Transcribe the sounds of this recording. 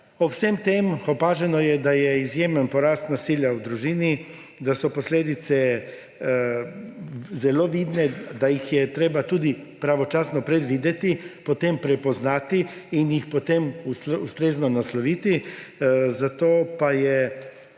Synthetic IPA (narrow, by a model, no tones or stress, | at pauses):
ɔwsemt̪emxɔpaːʒɛnɔjɛd̪ajɛizjeːmənpɔɾast̪nasiːljawd̪ɾuʒiːni | d̪asɔpɔsleːd̪it̪sɛ | zɛloːʋid̪nɛd̪ajixjɛt̪ɾeːbat̪uːd̪ipɾaʋɔt͡ʃaːsnɔpɾɛd̪ʋiːd̪ɛt̪ipɔt̪empɾɛpɔznaːt̪iːnjixpɔt̪emusust̪ɾeːznɔnaslɔʋiːt̪i | zat̪oːpajɛ